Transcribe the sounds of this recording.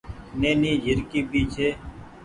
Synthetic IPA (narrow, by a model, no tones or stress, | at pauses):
neːniːd͡ʒɪɾkiːbiːt͡ʃʰeː